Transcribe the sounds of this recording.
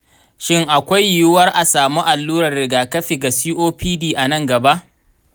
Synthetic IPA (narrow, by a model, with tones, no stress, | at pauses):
ʃɪ˦ŋʔa˨kʷa˦jːjʊ˦wɐ˦rʔa˨saː˨mu˦ʔa˨lːuː˦ɾɐ˨rːɪ˨ɡaː˨kɐ˦ɸi˨ɡa˨siː˦ʔoː˦piː˦diː˦ʔa˨nɐ˦ŋɡɐ˨ba˦ʔ